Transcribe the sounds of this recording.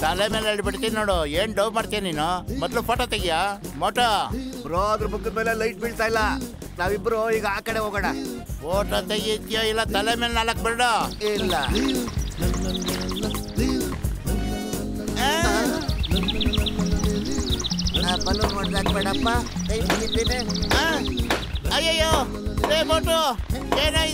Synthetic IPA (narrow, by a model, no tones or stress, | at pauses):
t̪ɐlemeːleeɭibiɽt̪ininoːɽueːnɖɐwmaːɽt̪ijaniːnumɔt̪lupoːʈot̪eɡijamoːʈobɾoːd̪ɾubukːud̪meːlelɐjʈ̚biɭt̪aːjlːɐ | naːʋibɾuiːɡɐaːkɐɽeɦoːɡɐɽapoːʈoːt̪eɡit̪ːijoːilːɐt̪ɐlemelnalak̚beɾɽoilːɐ | e | napɐlumoɽd̪aːkbeɽɐːpːa | k̪ɐjmɐɦit̪inia | ɐjɐjo | emoːʈoeːna